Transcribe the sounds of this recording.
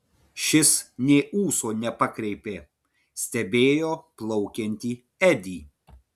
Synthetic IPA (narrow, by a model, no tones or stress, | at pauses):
ʃʲɪsnʲeːuːsoːnʲɛpɐkɾʲɛɪpʲeː | sʲt̪ʲɛbʲeːjoːplˠɔʊkʲɛnʲt̪ʲiː | ɛd̪ʲiː